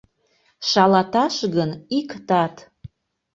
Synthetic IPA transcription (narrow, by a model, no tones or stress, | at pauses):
ʃɑlɑt̪ɑʃɣənikt̪ɑt̪